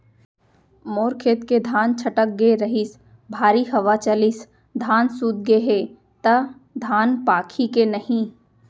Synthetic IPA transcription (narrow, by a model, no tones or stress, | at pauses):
moːɾkʰeːt̪ked̪ʱaːnt͡ʃʰɐʈək̚ɡeɾɐɦɪs | bʱaːɾiɦɐʋat͡ʃɐlɪs | d̪ʱaːnsuːd̪̚ɡeɦe | t̪ɐ | d̪ʱaːnpaːkʰikenɐhĩ